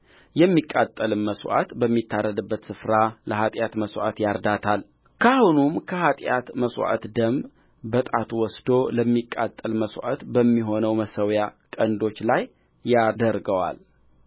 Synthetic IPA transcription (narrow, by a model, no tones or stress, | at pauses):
jɛmːikʼːat̪ʼːəlɨnməswʔa̰t̪bəmːit̪ʰːaɾːəd̪ɨbːət̪sɨfɾaləhat̪ʼjat̪məswa̰t̪jaɾd̪at̪ʰal | kʰahunumkʰəhat̪ʼja̰t̪məswa̰t̪d̪əm | bət̪ʼat̪ʰuwɔsd̪o̞ləmːikʼːat̪ʼːəlməswʷa̰t̪bəmːiɦo̞nəwməsəwjakʼənd̪o̞t͡ʃːlajː | ad̪əɾɡəwa̰l